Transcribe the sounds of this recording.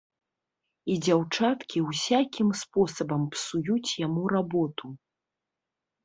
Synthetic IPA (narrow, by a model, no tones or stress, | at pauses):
id͡zʲawt͡ʂat̪kʲiwsʲakʲimspɔsɐbɐmpsujut͡sʲjamuɾabɔt̪u